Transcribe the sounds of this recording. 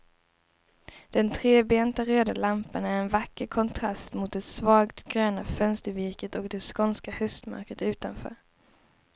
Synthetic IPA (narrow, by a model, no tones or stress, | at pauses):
d̪̥ɛnt̪ʰɾeːbeːnt̪aɾøːd̪alampanæɾɛnvakːəɾkʰɔnt̪ʰɾast̪mʊt̪̚d̪ɛsvɑːɡt̪ɡɾøːnafœnst̪əɾvɪɾkət̪ɔkd̪ɛskɔnskahœst̪ma̰ɾkət̪ʉ̟ːt̪anfœ̰ːɾ